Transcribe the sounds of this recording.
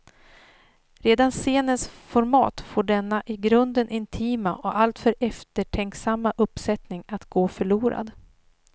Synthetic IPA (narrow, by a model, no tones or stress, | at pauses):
ɾeːd̪anseːnənsfɔɾmɑ̰ːt̪foːɖɛnːaʔɪɡɾɵnd̪ənʔɪnt̪ʰiːmaʔɔʔalt̪fœɾɛft̪əʈʰɛŋksamːaʔɵpsɛt̪nɪŋat̪ɡoːfœɭuːɾa̰d̪